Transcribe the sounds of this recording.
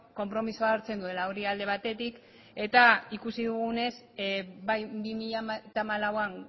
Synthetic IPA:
ko̞mpɾo̞misoaɾt͡se̞nd̪ue̞laoɾiald̪e̞β̞at̪e̞t̪ik | e̞t̪aikusiðuɣune̞s | bajbimiʎat̪amalawan

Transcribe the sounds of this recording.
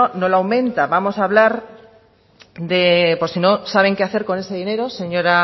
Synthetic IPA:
no̞lawmẽ̞nt̪aβamo̞saβ̞laɾ | d̪epo̞ɾsino̞saβ̞e̞ŋkeaθe̞ɾko̞ne̞seðine̞ɾo̞se̞ɲo̞ɾa

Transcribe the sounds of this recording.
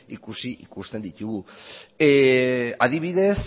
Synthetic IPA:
ikusiʔikust̪e̞nd̪it̪uɣu | aðiβ̞iðe̞s

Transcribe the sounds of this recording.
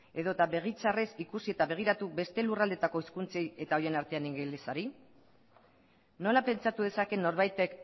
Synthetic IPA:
e̞ðo̞t̪aβe̞ɣ̞it͡saresikusie̞t̪aβe̞ɣ̞iɾat̪uβe̞st̪e̞lurald̪e̞t̪ako̞iskunt͡seje̞t̪ao̞je̞naɾt̪e̞aniŋɡelesaɾi | no̞lape̞nt͡sat̪uð̞e̞sake̞nːo̞ɾβajt̪ek

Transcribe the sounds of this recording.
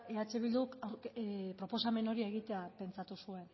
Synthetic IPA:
eat͡ʃe̞β̞ild̪uk | pɾo̞po̞same̞no̞ɾieɣit̪e̞ape̞nt͡sat̪usue̞n

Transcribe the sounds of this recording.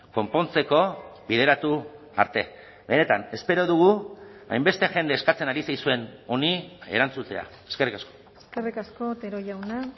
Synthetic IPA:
ko̞mpo̞nt͡se̞ko̞bið̞e̞ɾat̪u | a̰ɾt̪e̞ | be̞ne̞t̪ane̞spe̞ɾo̞ðuɣ̞ua̰jmbe̞st̪e̞ʝe̞nd̪eːskat͡senaɾisajsue̞no̞nie̞̰ɾant͡sut̪e̞a̰ | eske̞rikasko̞ | eskerikasko̞t̪eɾoʝawna

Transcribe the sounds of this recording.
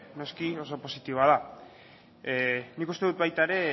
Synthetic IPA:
no̞skio̞so̞po̞sit̪iβoað̞a | nikust̪e̞ðut̪̚βajt̪aeɾe̞

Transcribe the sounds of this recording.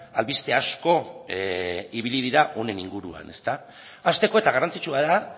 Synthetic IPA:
alβist̪e̞asko̞ | iβ̞iliðiɾaʔo̞ne̞niŋɡuɾua̰ne̞st̪aː | st̪e̞ko̞e̞t̪aɣarant͡sit͡ʃuaða

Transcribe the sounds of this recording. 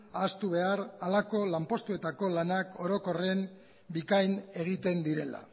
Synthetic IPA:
ast̪uβ̞e̞aɾalako̞lampo̞st̪ue̞t̪ako̞lanako̞ɾo̞ko̞re̞m | bikajne̞ɣ̞it̪e̞nd̪iɾe̞la̰

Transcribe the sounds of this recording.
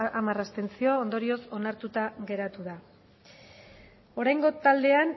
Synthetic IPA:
amarast̪e̞nt͡sio̞ːnd̪o̞ɾio̞so̞naɾt̪ut̪aɣe̞ɾat̪uða | o̞ɾajŋɡo̞t̪ald̪e̞an

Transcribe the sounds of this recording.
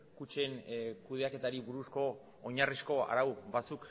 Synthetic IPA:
kut͡ʃe̞nkuð̞e̞ake̞t̪aɾiβuɾusko̞ː | ɲarisko̞a̰ɾawβat͡suk

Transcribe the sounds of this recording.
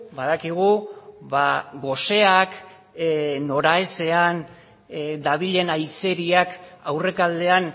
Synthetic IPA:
baðakiɣ̞uβaɡo̞se̞ak | no̞ɾae̞se̞an | d̪aβ̞iʎe̞najse̞ɾiakawre̞kald̪e̞an

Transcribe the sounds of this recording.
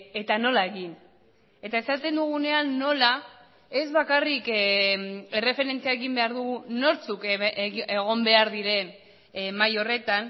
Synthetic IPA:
e̞t̪ano̞lae̞ɣin | e̞t̪ae̞sat̪e̞nd̪uɣ̞une̞anːo̞la | e̞zβakarik | e̞re̞fe̞ɾe̞nt͡siaeɣimbe̞aɾðuɣuno̞ɾt͡sukeɣ̞o̞mbe̞aɾðiɾe̞n | majo̞re̞t̪an

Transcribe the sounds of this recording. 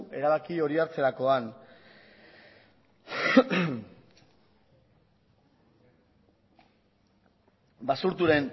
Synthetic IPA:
e̞ɾaβakio̞ɾiaɾt͡se̞ɾako̞an | basuɾt̪uɾe̞n

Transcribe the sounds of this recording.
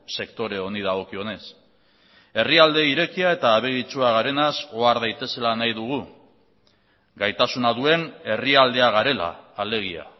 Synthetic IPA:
se̞kt̪o̞ɾe̞o̞nið̞aɣ̞o̞kio̞ne̞s | e̞riald̪e̞iɾe̞kiae̞t̪aːβ̞eɣit͡ʃuaɣ̞aɾe̞naso̞aɾðajt̪e̞se̞lanajðuɣ̞u | ɡajt̪asunaðue̞ne̞riald̪e̞aɣaɾe̞la̰ːle̞ɣ̞ia̰

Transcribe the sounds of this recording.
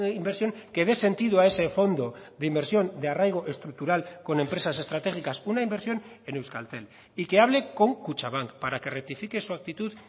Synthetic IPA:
imbeɾsjo̞ŋke̞ð̞ese̞nt̪iðuae̞se̞fo̞nd̪o̞ðeimbe̞ɾsjo̞nd̪earajɣ̞o̞ʔe̞st̪ɾuk̚t̪uɾalko̞ne̞mpɾe̞sase̞st̪ɾat̪e̞xikasunaimbeɾsjo̞ne̞ne̞wska̰lt̪e̞l | ike̞aβ̞le̞ko̞ŋkut͡ʃaβ̞aŋkpaɾake̞rek̚t̪ifike̞suak̚t̪it̪uð

